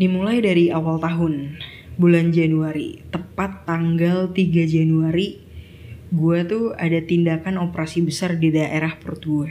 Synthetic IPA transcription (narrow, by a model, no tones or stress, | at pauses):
dimulajdaɾiawalt̪aɦʊn | buland͡ʒanuaɾḭt̪əpat̪ːaŋɡalt̪iɡad͡ʒanuaɾi | ɡuat̪ua̰dat̪indakanopəɾasibəsardidaʔeɾahpərt̪ua